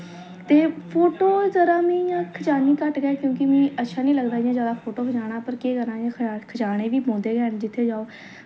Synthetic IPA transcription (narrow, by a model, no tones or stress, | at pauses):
t̪eːpʰoːʈoːzəɾaːmĩːjãːkʰət͡ʃaːniːkəʈɡɛːkjõːkɪmĩːətːʃʰaːnĩːləɡd̪aːijãːzjaːd̪aːpʰoːʈoːbəd͡ʒaːɽ̃aːpəɾkeːkəɾnaːjãːkʰət͡ʃaːɽ̃ẽːʋiːbõːnd̪eːɡɛːnd͡ʒɪt̪ʰːeːd͡ʒaːoː